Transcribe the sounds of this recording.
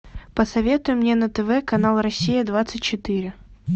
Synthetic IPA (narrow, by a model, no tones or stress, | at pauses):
pəsɐvʲe̞t̪ʊjʊmːnʲenət̪ɛvɛkɐnalˠɾɐsʲːijəd̪vat̪sɨt̚ʲt͡ɕɪt̪ɨɾʲɪ